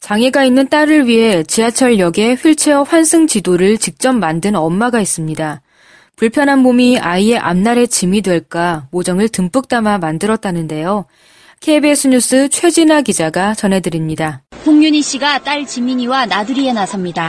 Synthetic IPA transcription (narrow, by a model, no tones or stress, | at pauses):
t͡ɕaŋe̞ɡainːɯnt͈aɾɯɭɥiɦe̞t͡ɕiat͡ɕʰʌɭjʌɡe̞ɸɥiɭt͡ɕʰe̞ʌɸwansʰɯŋt͡ɕidoɾɯɭt͡ɕik̚t͡ɕ͈ʌmːandɯnʌmːaɡais͈ɯmɲida | puɭpʰjʌnɦanbomiʔaie̞ʔa̰mnaɾe̞t͡ɕimidwe̞ɭk͈amod͡ʑʌŋɯɭtɯmp͈ɯk̚t͈amamandɯɾʌt̚t͈anɯnde̞jo | kʰe̞be̞sʰɯɲus͈ʰɯt͡ɕʰwe̞d͡ʑinaɡid͡ʑaɡat͡ɕʌnɦe̞dɯɾimɲidahʰoŋɲuɲiɕ͈iɡat͈aɭt͡ɕimiɲiwanadɯɾienasʰʌmɲida